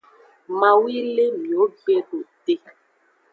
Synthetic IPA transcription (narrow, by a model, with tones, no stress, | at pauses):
mã˨wi˦le˦mĩ˨o˦ɡ͡be˦ɖo˨te˦